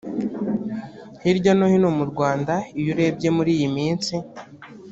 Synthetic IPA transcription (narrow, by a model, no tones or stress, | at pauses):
hiɾɟonohinomuɾɡwaːndaijuɾe̞b̚ɟe̞muɾiːjimiːnsi